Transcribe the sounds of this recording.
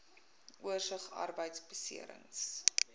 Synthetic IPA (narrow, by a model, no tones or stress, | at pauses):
ʔuərsəχɐ̰rbəjtsbəsḭəɾə̰ŋs